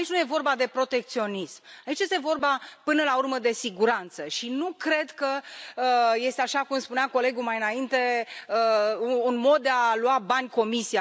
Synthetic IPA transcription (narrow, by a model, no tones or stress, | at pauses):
ait͡ʃʲnuje̞vo̞rbad̪e̞pɾo̞t̪e̞k̚t̪sio̞nismait͡ʃje̞st̪evo̞rbapɨnəlaurməd̪e̞siɡuɾant̪səʃinukɾe̞d̪kəəje̞st̪eaʃakumspuneako̞le̞ɡumajɨnaint̪e̞əuːnmo̞d̪̚d̪ealuabanʲko̞misia